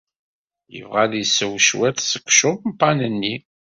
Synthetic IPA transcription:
jə̰vʁæðjsəwʃwæθsə̥kʷːʃʊðmpːɑnənːi

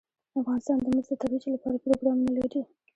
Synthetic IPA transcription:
afɣɑnɪst̪ɑnd̪əməzd̪ət̪aɾit͡ʃolapɑ̰ɾapɾoɡɾɑmunalaɾi

